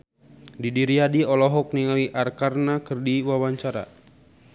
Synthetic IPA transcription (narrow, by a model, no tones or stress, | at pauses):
didiɾiadiɔlɔɦɔk̚niŋawiʔarkarnakɨrdiwawaɲt͡ʃaɾa̰